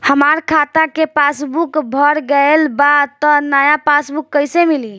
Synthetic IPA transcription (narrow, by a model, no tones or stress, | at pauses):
həmaɾkʰat̪akepasbukbʱəɾɡəelbat̪ɔnajapasbukːəjsemili